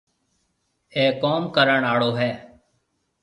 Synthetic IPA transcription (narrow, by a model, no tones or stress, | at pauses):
eːkoːmkəɾəɳaːɽoːɦɛː